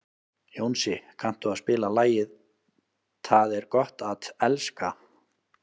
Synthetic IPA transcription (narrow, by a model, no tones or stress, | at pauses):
joːwnsɪkʰan̥t̪ʏaðspɪːlalaːjɪð | t̪ʰaðɛɾkɔht̪at̪ɛlska